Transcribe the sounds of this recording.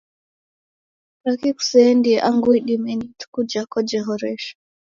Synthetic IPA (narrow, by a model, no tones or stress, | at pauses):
takiku̥sɛɛndiʔaŋɡuiɗimɛnitu̥kud͡ʒakɔd͡ʒɛɦɔɾɛʃḁ